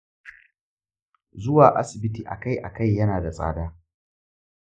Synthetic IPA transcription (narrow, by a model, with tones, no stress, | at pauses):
zʊ˦waː˨ʔa˦sɪ˨bɪ˦tiː˨ʔa̰˨ka˦jʔa̰˨ka˦˨jːɐ˦naː˨da˨sʼa̰ː˦daː˦